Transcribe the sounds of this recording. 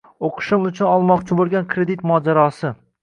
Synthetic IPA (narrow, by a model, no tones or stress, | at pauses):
oqʰɨ̥ʃɪmʊt͡ʃʰʊnɒlˠmɒqt͡ʃʰɪbolˠɡʲankʰɾe̞d̪it̪mɒːd͡ʒaɾɒsɪ